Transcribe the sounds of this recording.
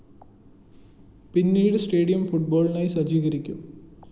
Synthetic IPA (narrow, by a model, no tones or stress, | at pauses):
pinːiːuɽesʈe̞ːɽijɐmfuʈ̚bo̞ːɭnaːjsɐd͡ʑiːɣɐɾikʲːum